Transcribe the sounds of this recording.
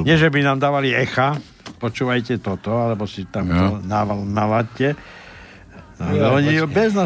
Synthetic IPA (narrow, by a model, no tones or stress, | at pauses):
ɲɪɛʒɛbinaːmd̪aːʋaliɛxa | pɔt͡ʃuːʋajcɛt̪ɔt̪ɔalɛbɔsit̪amanaʋnalacɛ | alɛɔɲibɛzna